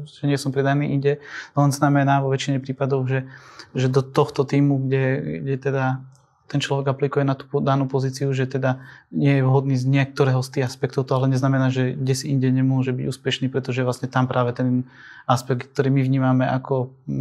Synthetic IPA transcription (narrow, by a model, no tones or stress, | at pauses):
ʒɛɲɪɛsɔmpɾɛd̪aniːʔiɲɟɛlɛnznamɛnaʋɔʋɛt͡ʃiɲɛpɾiːpad̪ɔʊʒɛʒɛd̪ɔt̪ɔxt̪ɔt̪iːmuɡɟɛɡɟɛt̪ɛd̪a | t̪ɛnt͡ʃlɔʋɛɡaplikujɛnat̪u̥pd̪anuːpɔziːt͡siuʒɛt̪ɛd̪aɲɪɛjɛʋɦɔd̪niːzɲɪɛk̚t̪ɔɾɛːɦɔst̪iːɦaspɛk̚t̪ɔʊt̪ɔalɛɲɛznamɛnaːʒɛɡɟɛsiʔiɲɟɛɲɛmʊɔʒɛbiɟuːspɛʃniːpɾɛt̪ɔʒɛʋlasɲɛt̪ampɾʔaːʋɛt̪ɛn | aspɛk̪k̚t̪ɔɾiːmiʋɲiːmamɛʔakʰɔ